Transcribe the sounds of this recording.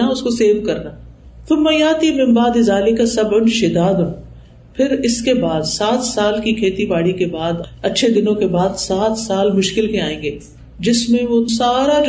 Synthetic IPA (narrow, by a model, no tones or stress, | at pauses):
aʊskoseːʋkɐɾnaː | pʰɪɾmɐjaːt̪imɪ̃mbaːd̪ɪzaːlikasɐbʊnʃɪd̪aːd̪ɦũː | pʰɪɾɪskebaːd̪saːt̪saːlkikʰeːt̪ibaːɽikebaːd̪ɐtːʃʰed̪ɪnõkebaːd̪saːt̪saːlmʊʃkɪlkẽaːẽːŋɡeː | d͡ʒɪsmẽʋosaːɾad͡ʒ